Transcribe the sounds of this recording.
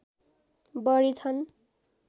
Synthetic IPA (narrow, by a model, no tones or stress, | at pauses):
bʌɾit͡sʰʌn